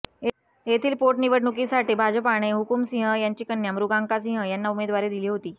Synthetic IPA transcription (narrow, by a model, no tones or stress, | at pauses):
ɦet̪ʰiːlpoʈniʋəɽɳukisaʈiːbʱad͡ʑəpaɽ̃eɦukumsĩɦəjaɲt͡ɕiːkənːjamɾuɡãŋkas̬ĩɦəjanːaumed̪ʋaɾed̪iliːɦot̪iː